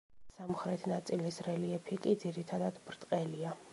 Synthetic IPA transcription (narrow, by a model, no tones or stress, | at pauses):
samχɾɛt̪ʰnat̪sʼilisɾɛliɛpʰikʼid̪ziɾit̪ʰad̪ad̪̥bɾt̪ʼqʼɛlia